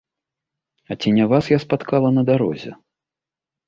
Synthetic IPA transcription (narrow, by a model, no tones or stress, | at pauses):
ɐt͡sʲinʲavasjaspat̪kalˠɐnɐd̪aɾɔ̰zʲɛ̰